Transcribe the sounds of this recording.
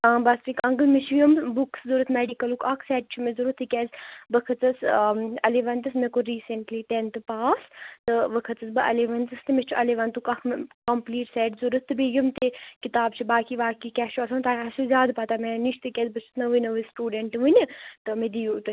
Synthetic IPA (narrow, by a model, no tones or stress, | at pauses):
bɐspikʰɐŋɡlmit͡ʃʰijumbukszuɾət̪meːɖikɐlukʰɐkʰsɛːʈ̚t͡ʃʰumezuɾut̪ʰːikʲɛːzbɐkʰɐt͡sɐsɐleʋɐnt̪ɨsmekoɾiːseɳʈliːʈ̪ent̪ɨpaːst̪ɨʋɐkʰɐt̪ɐsbɨʔɐ̰leʋɐnt̪ɨst̪ɨmet͡ʃʰuʔɐleʋɐnt̪ukɐkʰkɐmpliːʈsɛʈzuɾət̪ːɨbejumt̪ekit̪aːb̚t͡ʃʰibaːkiʋaːkikʲɛːʃuɐsʰɐmt̪aːɐsuzʲjaːd̪pɐt̪ameniʃt̪ɨkʲɛzbɐt͡ʃʰu̥t̪nɐʋɨnɐʋɨsʈuːɖeɳʈʋunʲɐt̪ɨmed̪ijut̪ɨ